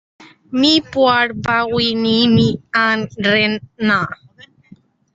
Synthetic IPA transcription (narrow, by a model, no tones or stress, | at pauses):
mipuaɺpawinimianɾenːa